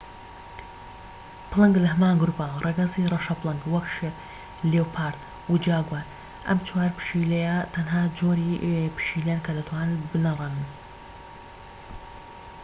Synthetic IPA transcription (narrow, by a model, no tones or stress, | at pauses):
plɨŋɡlɐɦɐmaːnɡɾupɐrˤʔeɡɐzirɐʃɐplˠɨŋɡwɐkʃɪɾ | leːwpʰaːɾt̪ | wud͡ʒaːɡwaːɾ | ʔɐ̰mt͡ʃʰwaːɾpɨ̥ʃiːlejat̪ʰɐnɦaːd͡ʒoːɾipɨ̥ʃiːlejankʰɐd̪ɐt̪ʰwaːnɨbɨnɐrˤɐnɨn